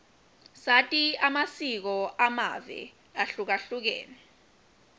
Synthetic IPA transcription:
satʼiamasik̬ɔʔama̰vɛ̰ | aɬuk̬aɬuk̬ɛ̰ːnɛ

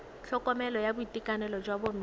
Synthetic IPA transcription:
ɬʰɔkʼɔmɛlɔjabʊitikʼanɛlɔd͡ʒwabom̩

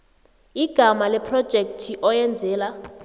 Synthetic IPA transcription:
iɡ̥ʱamalɛpʰrɔd̥ʒ̥ʱek̚tʰiʔɔjɛnd͡zʱɛːla

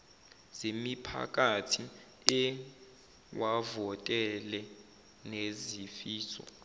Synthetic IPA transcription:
z̥emipʰa̰k̬ʼatʰi | ɛ | wavɔtʼɛlɛ | nezifiːsɔ̰

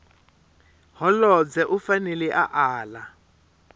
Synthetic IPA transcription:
ɦɔlɔd͡zɛʔufanɛlɛʔaʔaːla

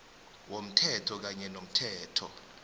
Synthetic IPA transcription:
wom̩tʰɛtʰɔk̬aɲɛnom̩tʰɛːtʰɔ̰

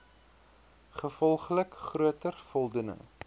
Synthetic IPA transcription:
χəfɔlˠχləkχruətərfɔlˠdunə̰ŋ

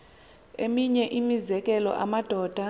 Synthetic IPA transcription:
emiɲɛʔimizɛk̬ʼɛlɔ̰ʔamad̥ʱɔːd̥ʱa

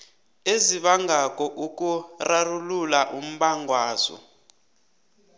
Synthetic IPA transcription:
eziɓaŋɡak̬ʼɔʔukʼurarululaʔum̩ɓaŋɡʱwaːzɔ̰

